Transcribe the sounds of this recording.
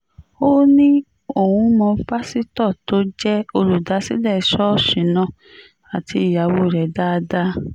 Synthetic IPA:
o˦nĩ˦ | o˨wũ˨˧˦mɔ̃˧˦ba˦si˦tɔ˦˨to˨˦d͡ʒɛ˦o˧ɾu˨da˨˦si˦lɛ˦˨i˧˦ʃɔ˦˨ʃĩ˨nã˧ | a˨ti˧i˨ja˨˦wo˦˨ɾɛ˨˦da˦˧da˦

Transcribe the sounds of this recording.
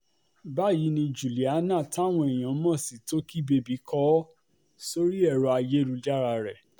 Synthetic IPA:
ba˦˨ji˨˦nĩ˧d͡ʒu˨li˨a˨˦nã˦˨ta˦˨w̃ɔ̃˧ɛ˨j̃ã˨˦mɔ̃˦˨si˨to˦ki˦be˧bi˨˦kʰɔ˦ | so˦ɾi˦ɛ˦˨ɾɔ˧a˧je˦ɾu˧d͡ʒa˦ɾa˧ɾɛ˨

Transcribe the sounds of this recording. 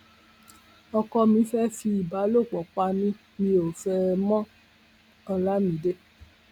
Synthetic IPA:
ɔ˧kɔ˧mĩ˨˧˦fɛ˦fi˧i˨ba˨˦lo˦˨k͡pɔ˨k͡pa˧˦mĩ˧˦ | mĩ˧o˨fɛ˦mɔ̃˦ | ɔ˧la˦mĩ˨˦de˦

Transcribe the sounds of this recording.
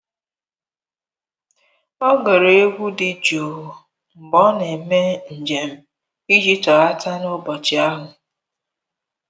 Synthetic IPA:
ɔ˦ɡɔ˨ɾe˨e˦ɡʷu˦dɪ˨d͡ʒoː˨ | m̩˨bɔ˦ne˨me˦n̩˨d͡ʒe˨m̩˦ | i˦d͡ʒi˦tɔ˨a˦tʰa˦nʊ˦bɔ˨t͡ʃɪ˨a˦ɦʊ˨

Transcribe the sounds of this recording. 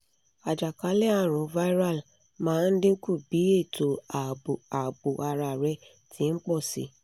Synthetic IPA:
a˨d͡ʒa˨ka˨˦lɛ˦a˦˨ɾ̃ũ˨va˦i˦ɾa˦˨l | mãː˦n̩˦dĩ˦ku˦˨bi˨˦e˦˨to˨a˨a˨bo˨ʔa˧ɾa˧˨ɾɛ˧ | tʰĩ˨˦n̩˦k͡pɔ˦˨sḭ˨˧˦

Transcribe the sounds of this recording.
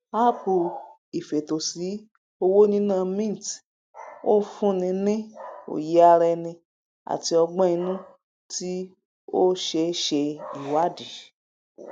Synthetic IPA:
a˦pu˧ | i˨fe˨to˨si˨˦ | o˧wo˦nĩ˦nã˧˨mĩ˦n˨t | o˦fũ˦nĩ˧nĩ˦o̰˨ji˨˦a˧ɾɛ˧nĩ˧ | a̰˨ti˧ɔ˧ɡ͡bã˦i˧nũ˦ | ti˦ | o˦ʃe˧˦ʃe˧i˨wa˦di˨

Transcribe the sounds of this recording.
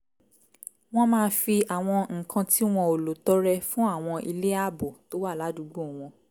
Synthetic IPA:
w̃ɔ̃˦mãː˦˧˦fi˧a˨w̃ɔ̃˧ŋ̩˨kʰã˧ti˦w̃ɔ̃˧o˨lo˨tɔ˦ɾɛ˧fũ˦a˦˨w̃ɔ̃˧ʔi˧le˦a˦˨bo˨to˦wa˦˨la˨˦du˨˦ɡ͡bo˦˨w̃ɔ̃˧

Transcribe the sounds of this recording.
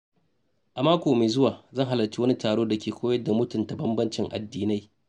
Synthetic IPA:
ʔa˨maː˦kʷoː˨meː˨zʊ˦waː˨zɐ˦˨ŋɦa˦lɐ˨t͡ʃi˦wɐ˦ni˦taː˨ɽoː˦da˨kʲeː˨kʷoː˦jɐ˦da˨mʊ˦tʊ˨nta˨bɐ˦mbɐ˦nt͡ʃɪ˦ŋʔa̰˨dːiː˦na˦j

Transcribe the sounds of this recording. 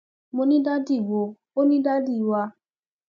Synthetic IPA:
mo˧nĩ˦da˦di˦˨wo˨˦ | o˦nĩ˦da˦di˦˨˧wa˧

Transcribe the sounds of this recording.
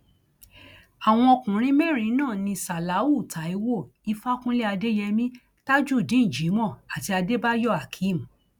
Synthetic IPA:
a˨w̃ɔ̃˧ɔ˧kũ˨ɾ̃ĩ˦mɛ˦˨ɾ̃ĩ˧˦nãː˦˨nĩ˧sa˨la˨˦u˦˨ta˨˦i˧wo˦˨i˧fa˦kũ˦le˦a˧de˦jɛ˧mĩ˦ | ta˦d͡ʒu˦˨dĩ˨˦n̩˨d͡ʒi˨˦mɔ̃˦˨a˨ti˧a˧de˦ba˦jɔ˦˨a˨kʰi˨˦˨m̩˨

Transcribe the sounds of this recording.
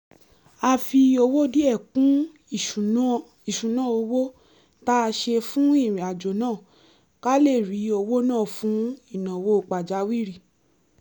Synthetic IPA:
a˧fi˧o˧wo˦di˦ɛ˦˨kũ˨˦˨ | i˨ʃũ˨nã˨˦o˧wo˦ | ta˦a˧ʃe˧fũ˦i˦˨ɾĩ˨a˨d͡ʒo˨nãː˦˨ | ka˦le˦˨ɾi˨˦o˧wo˦nãː˦˨fũ˨˦i˦˨nã˨wo˦o˧k͡pa˨d͡ʒa˨˦wi˦˨ɾi˦˨

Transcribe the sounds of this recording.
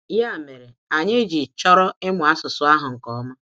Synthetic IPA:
ja˦˨me˨ɾe˨a˨ɲe˦d͡ʒi˨t͡ʃɔ˦ɾɔ˦ɪ˦mʊ˨a˦sʊ˨sʊ˦a˦ɦʊ˨ŋ̩˨kɔ˨˦ma˦

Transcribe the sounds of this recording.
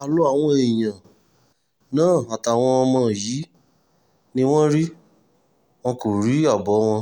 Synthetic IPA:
a˨lo˨˦a˦˨w̃ɔ̃˧e˨j̃ã˨ | nãː˦˨a˨ta˨w̃ɔ̃˧ɔ˧mɔ̃ː˧˨jiː˨˦ | nĩ˦w̃ɔ̃˦ɾi˦ | w̃ɔ̃˧ko˨ɾi˨˦a˦˨bɔ˨˦w̃ɔ̃˧

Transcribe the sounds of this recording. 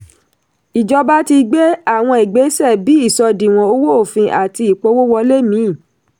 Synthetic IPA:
i˨d͡ʒɔ˧ba˦ti˧ɡ͡be˦a˦˨w̃ɔ̃˧i˨ɡ͡be˨˦sɛ˦˨bi˨˦i˦˨sɔ˧dĩ˨w̃ɔ̃˨o˦wo˦o˦˨fĩ˧ʔa˨ti˧i˨k͡po˦wo˦wɔ˧le˦mĩ˨˦˨

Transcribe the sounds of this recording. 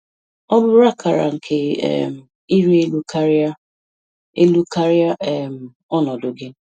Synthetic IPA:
ɔ˦bʊ˦ɾa˦ka˨ɾa̰˨ŋ̩˨kʰḛ˨m̩˨ | i˦ɾi˦e˦lu˦ka˦ɾa˦ | e˦lu˦ka˦ɾja˦e˨m̩˨ | ɔ˦nɔ˨dʊ˨ɡɪ˦

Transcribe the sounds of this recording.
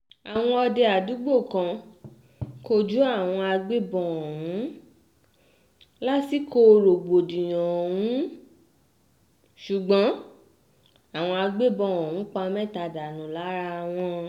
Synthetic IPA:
a˨w̃ɔ̃˧ɔ˧de˧a˨du˨˦ɡ͡bo˦˨kã˨˧ | ko˧d͡ʒu˦a˦˨w̃ɔ̃˧a˧ɡ͡be˦bɔ̃˧˨wũ˨˦ | la˦ti˦ko˧˦˧ɾo˨ɡ͡bo˨dĩ˨j̃ɔ̃˨wũ˨˦ | ʃu˨ɡ͡bɔ̃˨˦ | a˦˨w̃ɔ̃˧a˧ɡ͡be˦bɔ̃˧ɔ̃˨ũ˨˦k͡pa˧mɛ̃˦˨ta˧˨da˨nũ˨la˨˦ɾa˧w̃ɔ̃˧

